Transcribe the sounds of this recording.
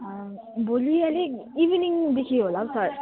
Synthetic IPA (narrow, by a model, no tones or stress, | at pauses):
bolialeibiniŋd̪ekʰiɦolabsʌɾ